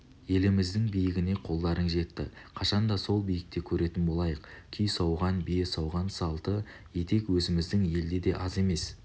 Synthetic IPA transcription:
je̞lɪmɪzd̪ɪŋbijɪɡʲɪne̞qʰo̞lˠd̪ɑɾənʒe̞t̪ːɪ̰qʰɑʃɑnd̪ɑso̞lˠbijɪk̚t̪e̞kʲʰɵɾe̞t̪ɪnbo̞lˠɑjəqkʲʰʏjsɑwʁɑnbesɑwʁɑnsɑlˠt̪ə | je̞t̪e̞kwɵzɪmɪzd̪ɪŋje̞ld̪e̞d̪e̞ʔɑze̞me̞s

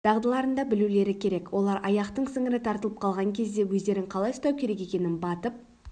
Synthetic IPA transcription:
t̪ʰɑʁd̪əlˠɑɾənd̪ɑbɪlule̞ɾɪkʲʰe̞ɾe̞kwo̞lˠɑɾɑjɑqt̪əɴsɪŋɪɾɪt̪ʰɑɾt̪əlˠəp̚qʰɑlˠʁɑŋkʲʰe̞zd̪e̞wɵzd̪e̞ɾɪŋqʰɑlˠɑjsʊ̥t̪ɑwkʲʰe̞ɾe̞k̬e̞kʲe̞nɪnbɑt̪əp̚

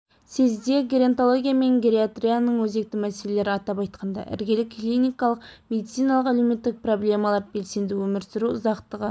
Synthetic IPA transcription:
se̞zd̪e̞ɡʲɾeent̪o̞lˠo̞ɡʲijame̞ŋɡʲɾʲeat̪ɾʲijanəɴwɵze̞k̚t̪ɪmæselele̞ɾɪɑt̪ɑpɑjt̪̚qʰɑnd̪ɑ̰ʔɪ̰ɾɡʲelɪkːlʲˠinijkɑlˠəqmʲe̞d̪it̪sijnalˠəqælewme̞t̪ːɪk̚pro̞blʲe̞mɑlˠɑɾbe̞lse̞nd̪ɪwɵmɪɾsɪɾuʊzɑqt̪əʁə

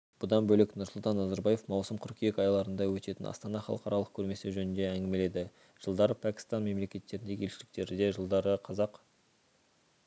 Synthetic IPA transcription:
b̥ʊd̪ɑnbɵlɪknʊɾsʊlˠt̪ɑnːɑzɑɾbɑje̞fmɑwsəmqʰʏɾkʲijekɑjɑlˠɑɾənd̪ɑwɵt̪e̞t̪ɪnɑ̰st̪ɑnɑχɑ̰lˠəqɑɾɑlˠəq̚kʲʰɵɾme̞sɪʒɵnɪnd̪e̞æŋɡʲɪme̞le̞d̪ɪ | ʒ̥əlˠd̪ɑɾəpʰækʲɪ̥st̪ɑnme̞mle̞kʲe̞t̪ːe̞ɾɪnd̪e̞ɡʲelʃɪlɪk̚t̪e̞ɾɪd̪e̞ʒəlˠd̪ɑɾəqʰɑzɑq

